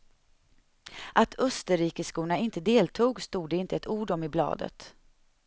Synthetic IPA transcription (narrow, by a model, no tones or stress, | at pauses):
ʔat̪ʰœst̪əɾiːkəskuːnaɪnt̪əd̪eːlt̪ʰuːɡst̪uːɖ̪əɪnt̪əɛt̪uːɖɔmɪblɑ̰ːd̪ə̰t̪